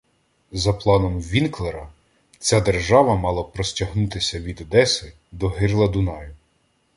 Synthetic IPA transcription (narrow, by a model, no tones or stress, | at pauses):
zɐplˠɑnɔmʋʲinklˠeɾɐ | t͡sʲad̪erʒɑʋɐmɑlˠɐpɾɔsʲtʲɐɦnut̪ɪsʲɐʋʲid̪ɔd̪ɛsɪ | d̪ɔɦɪrlˠɐd̪unɑjʊ